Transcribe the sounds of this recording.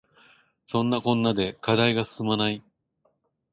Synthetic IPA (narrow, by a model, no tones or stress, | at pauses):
sõ̞nːakõ̞nːad̪e̞kad̪aiɡasɨ̥sɨmanai